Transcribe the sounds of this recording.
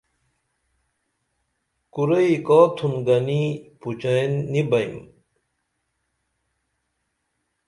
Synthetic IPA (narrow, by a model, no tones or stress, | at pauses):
kuɾɐikot̪ʰumɡɐniput͡ɕɐnːibɐjm